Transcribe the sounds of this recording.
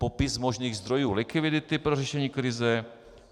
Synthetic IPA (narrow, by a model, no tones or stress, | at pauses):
popɪsmo̞ʒniːɣzd̪ɾo̞juːlɪkɪvɪdɪt̪ɪpɾorɛʃɛɲiːkɾɪzɛ